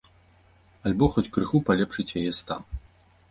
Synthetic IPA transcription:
alʲbɔxɔt͡sʲkɾɨxupalʲɛpʂɨt͡ɕʲjɛjɛst̪a̰m

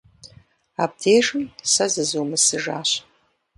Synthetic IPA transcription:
aːb̚dʰeːʒɨmsɐzɨzuwmɨsɨʒaːɕ

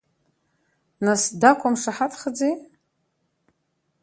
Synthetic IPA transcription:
nasdakʷʰʼamʂaħatʰχəd͡zej

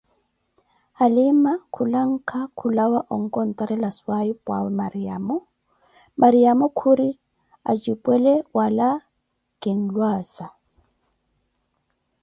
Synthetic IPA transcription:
alɪmakʰulaŋ̩kʰakʰulawaʔɔŋ̩kʼɔn̩tʼaɾɛlaswaipʼwa̰wɛmaɾiamɔ | mʔaɾiamɔkʰuɾi | a̰t͡ʃʼipʼwɛlɛwala | kʼin̩lwaːsa

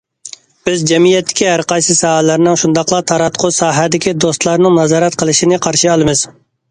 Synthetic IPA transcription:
b̥ɪzd͡ʒɛmijɛt̪ʰːɪ̥kʲihæɾqɑjsɨsɑːhælæɾnɪŋʃund̪ɑqlˠɑt̪ʰɑɾɑt̪qʰʊsɑːɦæd̪ɪkʲid̪ost̪lˠɑɾnɨŋnɑzɑːɾɛt̪qʰəlˠɨʃinɪqʰɑɾʃɨɑlˠɨmɨz̥

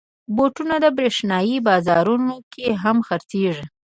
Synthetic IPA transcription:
boʈunad̪əbɾeʂnɑjibɑzɑɾunokʰeɦamxaɾt͡seʐi

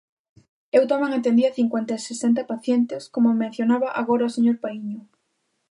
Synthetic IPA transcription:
ewt̪omẽŋant̪end̪iɐθiŋkwent̪asesent̪ɐpaθjent̪ɪskomomẽn̟θjonaβaʔaɣoɾaoseɲoɾpaiɲʊ

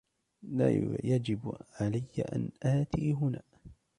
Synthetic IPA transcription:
laːjad͡ʒɪbʕalajːa̰ʔa̰nʔaːt̪iːɦʊnaː

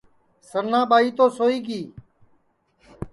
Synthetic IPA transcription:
səɾnãːɓaːiːt̪oːsoːiːɡiː

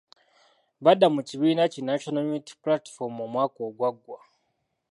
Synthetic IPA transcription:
βadamuciβiːnacinaʃonomiti̥platfoɾmomwaːkoːɡwaɡwa

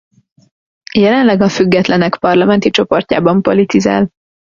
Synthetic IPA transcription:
jɛlɛnlɛɡɒfyɡːɛt̪lɛnɛkpɒrlɒmɛnt̪it͡ʃo̞po̞rcaːbɒmpo̞lit̪iza̰ːl

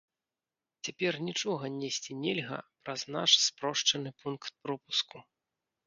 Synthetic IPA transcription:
t͡sʲapʲɛrnʲit͡ʂɔɣɐnʲesʲt͡sʲinʲɛlʲɣɐ̰pɾɐznaʂspɾɔʂt͡ʂɐnɨpunkt̪̚pɾɔpusku

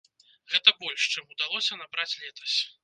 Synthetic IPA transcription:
ɣɛt̪ɐbɔlʲʂt͡ʂɨmud̪alˠɔsʲɐnabɾat͡sʲlʲɛt̪ɐ̥sʲ

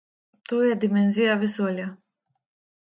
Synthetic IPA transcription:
t̪uːjɛd̪ʲimʲɛnʲzʲijavʲɪsuɔlʲa

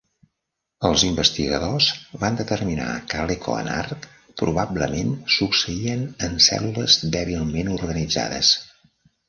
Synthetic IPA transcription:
əlˠzimbəst̪iɣəðozβand̪ət̪ərmina̰kəlekʰo̰ə̰na̰rt̪ | pɾuβabləmensuksəiənənsɛ̰luləzd̪ɛβilˠmenurɣənid͡za̰ðə̰s

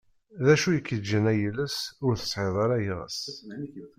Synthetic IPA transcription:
ðæʃujəkːəd͡ʒːənæjələsʊɾθə̥sˤħeðˤɑɾæjʁə̰s

